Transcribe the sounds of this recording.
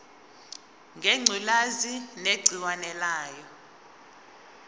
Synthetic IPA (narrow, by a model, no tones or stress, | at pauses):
ŋɡʱeŋ͡ǀʱilazineɡ͡ǀʱilwanɛlaːjɔ